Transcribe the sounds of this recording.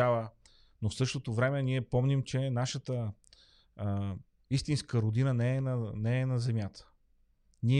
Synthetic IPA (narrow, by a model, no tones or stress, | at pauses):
avə | nofsɤʃt̪ot̪ovɾɛmɛniɛpɔmnimt͡ʃɛnaʃət̪ə | ist̪inskəɾod̪inənɛɛnɐnɛːnɐzɛmjat̪ʰə̥ | niɛ